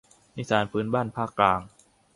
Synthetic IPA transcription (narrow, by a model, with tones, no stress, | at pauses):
ʔi˦˥saː˩˦npʰɯː˦˥nbaː˥˩npʰaː˥˩kːlaː˧ŋ